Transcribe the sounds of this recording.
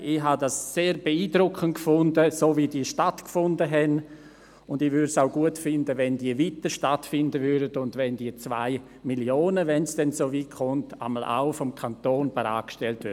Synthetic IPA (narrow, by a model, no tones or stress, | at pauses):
ʔɪɦadasːeːɾbeiːdɾʊkχəntkfʊndəsoːvidiːʃtatkfʊndəɦɛn | ʊndɪʋʏdsaʊɡuətfɪndəvɛndiːviːtəʃtatfɪndəvʏɐdədʊndvɛndiːət͡sva̰ɪ | miljoːnəvɛnsd̥ɛnsoːviːkχʊnta̰məlʔa̰ʊfɔmkʰantoːnbɛɾa̰ːkʃtɛltvʏ